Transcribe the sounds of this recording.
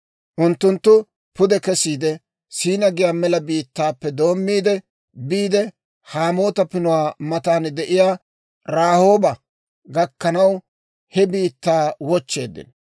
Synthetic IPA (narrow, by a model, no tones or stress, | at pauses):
ʔʊnt̪ːʊnt̪ːʊ | pʊd̪ɛkɛsiːd̪ɛ | siːnɐɡɪjaːmɛlɐbiːt̪ːaːpːɛd̪o̞ːmːiːd̪ɛ | biːd̪ɛ | haːmo̞ːt̪ɐpɪnʊwaːmɐt̪aːnd̪ɛʔɪjaː | ɾaːho̞ːbɐ | ɡɐkːɐnɐw | hɛbiːt̪ːaːwɔt͡ʃːe̞̰ːd̪ːɪ̰n